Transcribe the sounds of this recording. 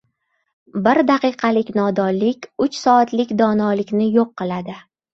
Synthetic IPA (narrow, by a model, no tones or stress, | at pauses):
bɪɾd̪aqɨjqʰɑlɪkʲnɒd̪ɒlɪkʲʊt͡ʃsɒat̪lɪkʲd̪ɒnɒlɪkʲnɪjoqʰːɨlˠad̪ɪ